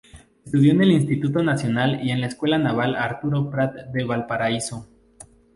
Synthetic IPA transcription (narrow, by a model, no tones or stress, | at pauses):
est̪uðjo̞ene̞linst̪it̪ut̪o̞nasjo̞nalie̞nlaeskwe̞lanaβ̞alaɾt̪uɾo̞pɾat̪̚d̪eβalpaɾaiso̞